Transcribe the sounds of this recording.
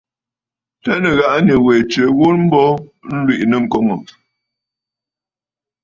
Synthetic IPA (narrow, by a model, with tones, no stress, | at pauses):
tɛ˦nə˨ɣa˦ʔnə˨we˨t͡ʃə˨˦ɣu˦ɾm̩˦bɔ˦n̩˦lwi˦˨ʔnə˨ŋ̩˨kɔ˦ŋo˨